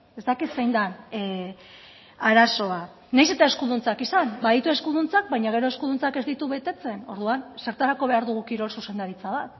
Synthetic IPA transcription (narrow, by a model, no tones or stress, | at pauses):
e̞zt̪akisejnd̪an | aɾaso̞a | najse̞t̪ae̞skuðunt͡sakisanbaðit̪ue̞skuðunt͡sak̚bajɲaɣ̞e̞ɾo̞e̞skuðunt͡sake̞zd̪it̪uβe̞t̪e̞t͡se̞no̞ɾðuanseɾt̪aɾako̞β̞e̞aɾðuɣ̞ukiɾo̞lsuse̞nd̪aɾit͡saβ̞at̪